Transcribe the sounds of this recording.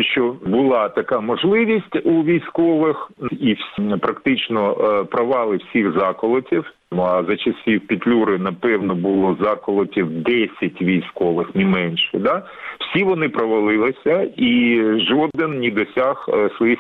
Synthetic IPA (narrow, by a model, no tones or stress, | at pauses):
ʃt͡ʃɔbʊlˠɑt̪ɐkamɔʒlˠɪʋʲisʲtʲuʋʲijsʲkɔʋɪxiwsʲpɾɐkt̪ɪt͡ʃnɔpɾɐʋɑlˠɪwsʲiɣzɑkɔlˠɔtʲiw | mɐzɐt͡ʃɐsʲiwpʲit̪ʲlʲuɾɪnɐpɛwnɔbʊlˠɔzɑkɔlˠɔtʲiwd̪ɛsʲɐtʲʋʲijsʲkɔʋɪxnɪmɛnʃɛd̪a | w̥sʲiʋɔnɪpɾɔʋɐlˠɪlˠɪsʲɐiʒɔd̪ɪnnʲid̪ɔsʲaxsʋɔjix